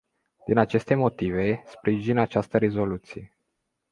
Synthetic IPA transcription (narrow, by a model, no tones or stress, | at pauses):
d̪inat͡ʃe̞st̪e̞mo̞t̪ive̞spɾiʒinat͡ʃast̪əɾe̞zo̞lut̪sije